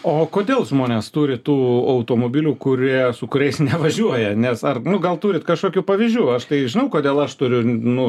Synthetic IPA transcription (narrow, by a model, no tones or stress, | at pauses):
oːkoːd̪ʲeːlˠʒmoːnʲeːst̪uːɾʲɪt̪uːɐʊt̪oːmoːbʲiːlʲuːkʊɾʲiɛsʊkʊɾʲɛɪsnʲɛʋɐʒʲuɔjɛnʲɛsɐrnʊɡɐlˠt̪uːɾʲɪt̪kɐʃkoːkʲuːpɐʋʲɪzʲʒʲuːɐʃt̪ɐɪʒʲɪnɐʊkoːd̪ʲeːlˠɐʃt̪ʊɾʲʊnʊ